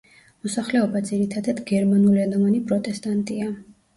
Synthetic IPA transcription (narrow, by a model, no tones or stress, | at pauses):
mɔsaχlɛɔbad̪ziɾit̪ʰad̪ad̪ɡɛɾmanulianɔmanipʼɾɔt̪ʼɛst̪ʼant̪ʼia